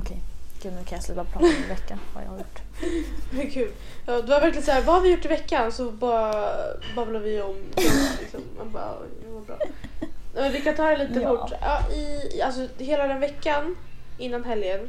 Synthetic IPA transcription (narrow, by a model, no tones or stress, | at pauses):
ɔkʰɛjɡ̥ʉːnʉkʰãjaslʉːpap̪ʰɑmvɛkːava̰ja̰haɾjʊʈː | kʰʉːl | jɑːd̪ɛvaɾvɛɾklɪənsæːɾvahaɾvɪjʊʈːɪvɛkːansɔbɑɾabɑmlad̪vɪɔmɪlɪ̰ksɔmma̰bɑɔ̰jamʊɾbɾɑ̰ːnɛmɛnvɪkːat̪ʰɑːɾɛliːt̪əkɔʈːɑːʔɪals̬ɔheːlad̪ɛnvɛkːanɪnːanɦɛljən